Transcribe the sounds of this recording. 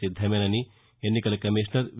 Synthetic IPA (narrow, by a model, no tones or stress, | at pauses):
id̪ʱːɐmenɐni | enːikɐlɐkɐmiʂnɐɾʋ